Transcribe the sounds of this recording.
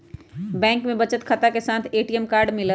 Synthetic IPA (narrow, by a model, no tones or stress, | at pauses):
bɛ̃ːŋkmẽbɐt͡ʃət̪kʰɐt̪akesaːt̪ʰeːʈiːəmkaːɾɖmɪlə